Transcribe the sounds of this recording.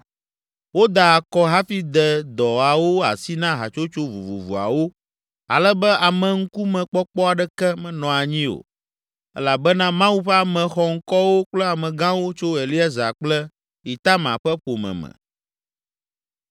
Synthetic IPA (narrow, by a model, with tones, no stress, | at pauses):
wo˦d̪a˨a˨kɔ˦ɦa˦fi˦d̪ɛ˨d̪ɔ˨a˨wo˦a˨si˦nã˦ɦa̰˨t͡ʃo˦t͡ʃo˦vu˨vṵ˨vṵ˨a̰˨wo˦ | a̰˨lɛ˦bɛ˦ʔa˨mɛ̃˨ŋ̩˦ku˦mɛ̃˨k͡pɔ˦k͡pɔ˦a˨ɖɛ˦kɛ˦mɛ̃˨nɔ̃˨a˨ɲĩ˦o̰˨ | ɛ̰˦la˨bɛ˦nã˦mã˦wu˦ɸɛ˦a˨mɛ̃˨xɔ˨ŋ̩˦kɔ˦wo˦k͡plɛ˦a˨mɛ̃˨ɡã˦wo˦t͡ʃo˦e˨li˦a˦za˨k͡plɛ˦ | i˨t̪a˦mã̰˨ɸɛ˦ɸo˨mɛ̰̃˨mɛ̰̃˨